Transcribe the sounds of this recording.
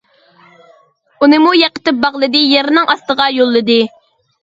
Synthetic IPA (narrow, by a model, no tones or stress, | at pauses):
unɨmujæqə̥t̪ɪp̚bɑʁlˠɨd̪ɨjeɾnɨŋɑst̪əʁɑjolˠːɨd̪ɨ